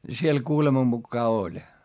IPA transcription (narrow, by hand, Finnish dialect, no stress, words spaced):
siel kuːlemɑ mukːɑː olʲ